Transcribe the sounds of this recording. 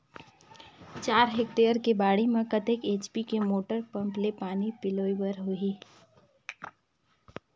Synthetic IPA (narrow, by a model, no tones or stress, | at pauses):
t͡ʃaːɾɦek̚ʈeːəɾkebaːɽimẽkət̪ekeːt͡ʃpikemoːʈəɾpɐ̃mplepaːnipɪloːibəɾɦoiː